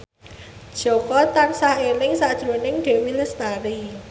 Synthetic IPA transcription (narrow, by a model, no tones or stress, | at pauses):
d̥ʒ̥ɔkɔt̪ansahelɪŋsaʔd̥ʒ̥ɾonɪŋɖ̥e̤wiləst̪aɾi